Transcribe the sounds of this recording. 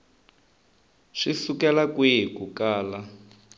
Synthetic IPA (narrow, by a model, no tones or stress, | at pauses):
ʂisukɛlakwekukaːla